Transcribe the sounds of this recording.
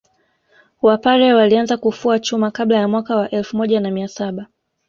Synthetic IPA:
wapaɾɛwalianzakufuat͡ʃumakaɓlajamwakawaʔɛlfumɔʄanamiasaɓa

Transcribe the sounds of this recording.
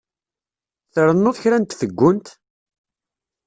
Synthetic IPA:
θəɾˤənːʊðçɾænt̪θəɡʷːʊnt̪

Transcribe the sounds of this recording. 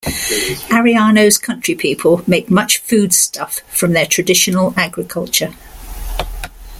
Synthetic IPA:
aɹiɑːnəʊz̥kʰʌ̃nt͡ʃɹ̥ipʰiˑpʰəlˠmeɪk̚mʌt͡ʃfʉːd̥stʰʌfɹə̃mðətʰɹ̥ədɪʃənəlaɡɹɪkʰʌlˠt͡ʃə

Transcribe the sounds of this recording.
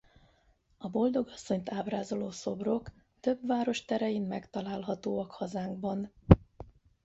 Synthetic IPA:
ɒbo̞ld̪o̞ɡɒsːo̞ɲt̪aːbraːzo̞loːso̞bro̞k | t̪ø̞bvaːɾo̞ʃt̪ɛɾɛjinmɛkt̪ɒlaːlɦɒt̪oːɒkhɒzaːŋɡbɒn

